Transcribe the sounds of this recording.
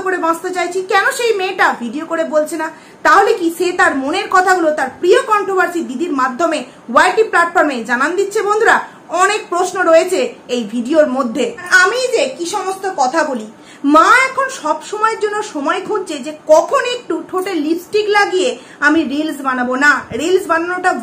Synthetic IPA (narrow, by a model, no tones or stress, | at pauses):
koɾebãst̪et͡ɕajt͡ɕʰikɛnoʃejmeʈabʱiɖiokoɾebolt͡ɕʰena | t̪aɦolekiʃet̪aɾmoneɾkɔt̪ʰaɡulot̪aɾpɾiokɔɳʈɾobaɾsid̪id̪iɾmad̪ʱːome | wajʈiplaʈfɔɾmed͡ʑanand̪itːɕʰebond̪ʱuɾa | ɔnek̚pɾosnoɾoet͡ɕʰeejbʱiɖioɾmod̪ʱːeamid͡ʑekiʃɔmost̪okɔt̪ʰabuli | maɛkʰonʃɔbʃomɔeɾd͡ʑonːoʃɔmɔekʰud͡ʑt͡ɕʰed͡ʑekɔkʰonek̚ʈuʈʰoʈelipsʈiklaɡie | amiɾilsbanabonaɾilsbananoʈa